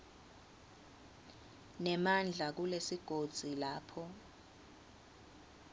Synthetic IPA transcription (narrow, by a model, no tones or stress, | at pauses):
nɛmand͡ɮʱak̬ulesiɡ̥ʱod̥z̥ʱilaːpʰɔ